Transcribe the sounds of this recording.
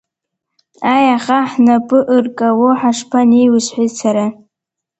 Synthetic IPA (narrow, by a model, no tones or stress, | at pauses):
ajaχaħnapʼɨʔɨrkʼawoħaʂpʰaniwʊsħʷit͡sʰaɾa